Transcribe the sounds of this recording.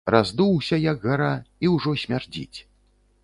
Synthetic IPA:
razd̪uwsʲɐjɐɡɣaɾaiwʐɔsʲmʲard͡zʲḭt͡sʲ

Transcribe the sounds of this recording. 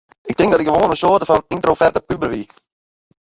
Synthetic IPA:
ʔɪk̚tɪŋkdɔtɪkɡəʋoːnənsoːrtəfɔnintrofɛrtəpybərʋi

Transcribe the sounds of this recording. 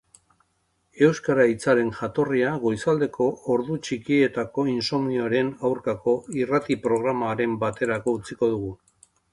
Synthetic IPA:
e̞wskaɾait͡saɾe̞nʝat̪o̞riaɣo̞jsald̪e̞ko̞ːɾðut͡ʃikie̞t̪ako̞inso̞mioɾe̞nawɾkako̞irat̪ipɾo̞ɣ̞ɾamaɾe̞mbat̪e̞ɾako̞ut͡siko̞ð̞uɣu

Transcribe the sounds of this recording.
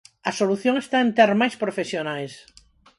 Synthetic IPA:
ɐsoluθjoŋest̪aent̪eɾmajspɾofesjonajs

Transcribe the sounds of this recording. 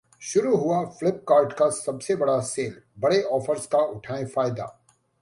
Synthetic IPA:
ʃʊɾuɦʊaflɪp̚kaːɾʈkasɐbsebɐɽaseːlbɐɽeɔːfəɾskaʊʈʰaːẽfaːjd̪a̰ː

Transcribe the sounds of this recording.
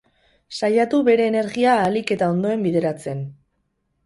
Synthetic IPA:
sajat̪uβe̞ɾe̞ːne̞ɾɣiaːlike̞t̪ao̞nd̪o̞e̞mbiðe̞ɾat͡se̞n

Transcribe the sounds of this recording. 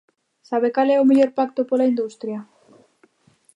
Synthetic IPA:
saβekalɛomeʎoɾpakt̪opolaind̪ust̪ɾjɐ

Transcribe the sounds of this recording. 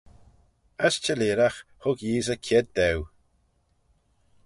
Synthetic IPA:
əst͡ʃəliːɾaxhʊɡjiːzəkʰɛd̪̚d̪ɛw

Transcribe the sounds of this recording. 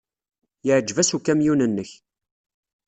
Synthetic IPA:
jəʕd͡ʒvæsukæmjunənːəç

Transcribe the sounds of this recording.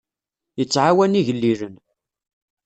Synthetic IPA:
jət͡sːʕawæniʝəlːiɾən

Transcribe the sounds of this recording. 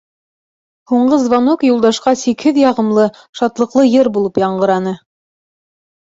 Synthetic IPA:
huɴɢɤzvɑnokjulˠd̪ɑʃqɑsikhɘðjɑʁɤ̆mlˠɤ | ʃɑt̪lˠɤ̆qlˠɤjɤɾbulˠɤpjɑɴɢɤ̆ɾɑnɤ

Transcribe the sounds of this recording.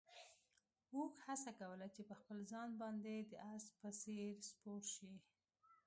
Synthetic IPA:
okhasakawəlat͡ʃepəxpəlzɑnbɑnd̪ed̪əʔaspəseɾspoɾʃi

